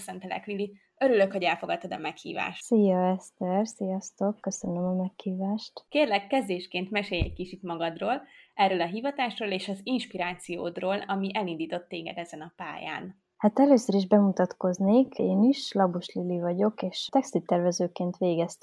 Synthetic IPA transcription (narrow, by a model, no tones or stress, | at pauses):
sɛnt̪ɛlɛ̰klili | øɾyløkho̞ɟɛlfo̞ɡɒt̪ːɒd̪ɒ̰mɛkhḭːva̰ːʃsijɒɛst̪ɛrsijɒst̪okːøsønømɒmɛkhiːvaːʃt̪keːrlɛkːɛzd̪eːʃkeːnt̪mɛʃeːjɛ̰c̚kit͡ʃit̪mɒɡɒd̪roːlɛrøːlɒɦiːvɒt̪aːʃroːleːʃɒzinʃpiɾaːt̪sijo̰ːd̪roːlɒmiʔɛlind̪iːt̪o̞t̪ːeːɡɛ̰d̪ɛzɛnɒpa̰ːja̰ːn | hat̪ɛløːsøɾiʒbɛmut̪ɒt̪ko̞zneːkʰeːniʃlɒbuʃlilivɒɟo̞keːʃt̪ɛkst̪it̪ɛrvɛzøːkeːnt̪ʋeːɡɛst̪